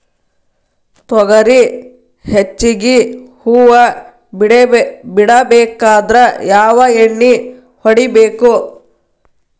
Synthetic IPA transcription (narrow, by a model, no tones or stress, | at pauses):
t̪ɔɡɐɾi | het͡ʃːiɡihuːʋɐ | biɽɐbɛːkaːd̪ɾɐjaːʋɐeɳːi | hoɽibeːku